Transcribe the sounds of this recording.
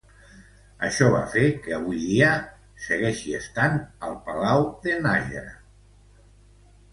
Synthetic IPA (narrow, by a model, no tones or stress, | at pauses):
əʃɔβa̰fekəəβujðiə | səɣɛʃiəst̪anəlˠpəlawðənaʒə̰ɾə̰